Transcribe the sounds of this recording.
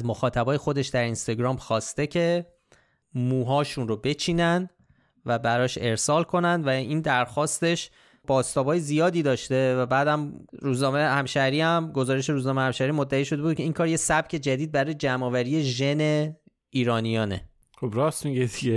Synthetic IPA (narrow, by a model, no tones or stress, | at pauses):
zmoxɒːt̪ʰæbɒːje̞xo̞d̪e̞ʃd̪æɾinst̪ɒɟɾɒːmxɒːst̪e̞cʰe̞ | muːɦɒːʃunrobe̞t͡ʃʰiːnænd̪ | væbæɾɒːʃe̞ɾsɒːlkʰo̞nænd̪væiːnd̪æɾxɒːst̪e̞ʃ | b̥ɒːst̪ɒːbɒːjezijɒːd̪iːd̪ɒːʃt̪e̞væbæːd̪æmɾuːznɒːmehæmʃæɾiːæmɡo̞zɒːɾeʃe̞ɾuːznɒːmehæmʃæɾiːmod̪ːæiːʃoe̞buːd̪̚cʰe̞iːŋkʰɒːɾje̞sæb̥cʰe̞d͡ʒæd̪iːd̪̚bæɾɒːjed͡ʒæmɒːvæɾije̞ʒe̞ne̞ | iːɾɒːnijɒːne̞̰ | xobɾɒːsmiɟed̪iɟe